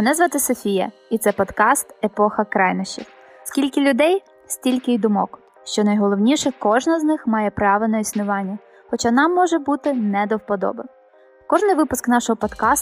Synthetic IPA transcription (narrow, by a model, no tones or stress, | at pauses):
nɛzʋɐt̪ɪsɔfʲijɐ̰it̪sɛpɔd̪kɑst̪epɔxɐkɾɑjnɔʃt͡ʃḭx | skʲilʲkɪlʲʊd̪ɛj | sʲtʲilʲkɪjd̪ʊmɔ̰k | ʃt͡ʃɔnɐjɦɔlˠɔwnʲiʃɛkɔʒnɐznɪxmɑjɛpɾɑʋɪnɐisnʊʋɑnʲːɐ | xɔt͡ʃɑnɑmːɔʒɛbut̪ɪnɛd̪ɔwpɔd̪ɔ̰bɪ | kɔʒnɪjʋɪpʊsknɑʃɔɦɔpɔd̪kɑs